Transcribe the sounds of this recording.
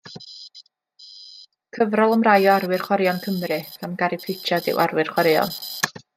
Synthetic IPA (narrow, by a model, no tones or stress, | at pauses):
kʰəvrɔlˠəmrajɔaɾwɨr̥χwaɾjɔnkʰəmrɨɡ̥amɡaɾɪpʰɪt͡ʃʰadɪ̰wʔaɾwɨrχwaɾɪɔ̰n